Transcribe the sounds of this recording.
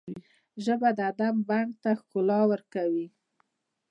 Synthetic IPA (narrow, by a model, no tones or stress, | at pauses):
ʒəbad̪əad̪ambaŋɡ̚t̪axkʊlɑwəɾkawi